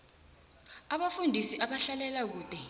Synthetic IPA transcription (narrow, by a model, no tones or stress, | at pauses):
aɓafundʱisiʔaɓaɬalɛlak̬uːtʼɛ